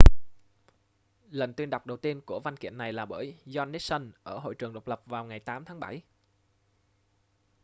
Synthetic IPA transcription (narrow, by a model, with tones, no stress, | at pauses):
lə˨˩nt̪wi˧ənɗa˨˩wk͡p̚ɗə˨˩wt̪i˧ənku˧˩əva˧nkḭ˧˨ənːa˨˩jlaː˨˩ɓəː˧˩jzɔ˧nːe˦˥t̚sə˧nʔəː˧˩ɦo̰˧˨jt͡ɕɨ˨˩əŋɗə˨˩wk͡p̚lə˨˩p̚vaː˨˩wŋa˨˩jt̪aː˨˦mt̪ʰaː˨˦ŋɓa˧˩j